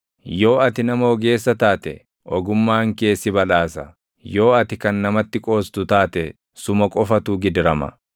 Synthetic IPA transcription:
jo̞ːɐt̪ɪnɐmɐɔɡe̞ːsːɐt̪aːt̪ɛ̰ | ʔɔɡʊmːaːŋke̞ːsːɪbɐlaːsɐ | jo̞ːɐt̪ɪkɐnːɐmɐt̪ːɪkʼo̞ːst̪ʊt̪aːt̪ɛ | sʊmɐkʼɔfɐt̪uːɡɪd̪ɾɐmɐ̰

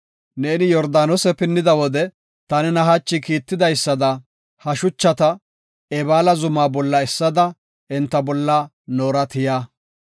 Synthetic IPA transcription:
ne̞ːnɪjɔɾd̪aːnɔsɛpɪnːɪd̪ɐwɔd̪ɛ | t̪ɐnɛnɐɦat͡ʃːɪkiːt̪ːɪd̪ɐjsːɐd̪ɐ | hɐʃʊt͡ʃːɐt̪ɐ | ɛbaːlɐzʊmaːbɔlːɐɛsːɐd̪ɐ | ɛnt̪ːɐbɔlːɐ | noːɾɐt̪ɪjaː

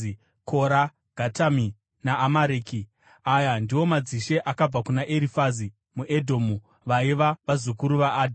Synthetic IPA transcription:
kʰo̞ɾa | ɡ̥ʱatami | naʔːmaɾeːki | ajandiwo̞mad͡ziʃe̞ʔakab͡vakunaʔeɾifazi | muʔedʱoːmu | ʋaiʋaʋazukuɾuʋaʔːdʱ

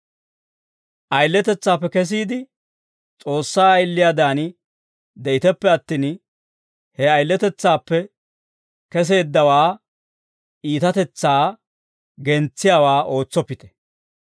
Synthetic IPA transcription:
ʔɐjlːɛt̪ɛt͡sːaːpːɛkɛs̬iːd̪ɪ | t͡sʼo̞ːsːaːɐjlːɪjaːd̪aːnɪ | d̪ɛʔɪt̪ɛpːɛɐt̪ːiːn | hɛɐjlːɛt̪ɛt͡sːaːpːɛ | kɛs̬e̞ːd̪ːɐwaː | iːt̪ɐt̪ɛt͡sːaː | ɡɛnt͡sːɪjaːwaːʔo̞ːt͡sːɔpːɪt̪ɛ̥

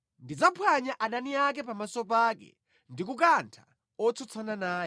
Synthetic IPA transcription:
ndid͡zapʰwaɲaʔaɗaniak̬ɛpamasɔp̬aːkɛ̰ | ndik̬ukantʰḁ | ɔt͡sʰɔt͡sʰananaːjɛ

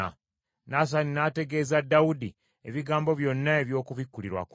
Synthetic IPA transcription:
a̰ | nas̬aninate̞ɡe̞ːzadːawudi | eβiɡaːmbo̞βjo̞nːaeβjo̞ːkuβikːuliɾwa̰k

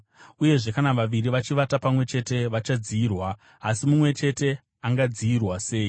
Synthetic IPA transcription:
uje̞ʐe̞kanaʋaʋiriʋat͡ʃiʋatapamwe̞t͡ʃe̞te̞ʋat͡ʃad͡ziːrwaː | simumwe̞t͡ʃe̞te̞ | aŋɡad͡ziirwase̞ːi

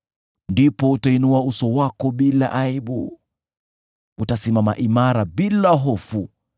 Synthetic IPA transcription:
ndipɔutainuausɔwakɔɓila̰ʔaiɓu | utasimama̰ʔimaɾaɓilaɦɔfu

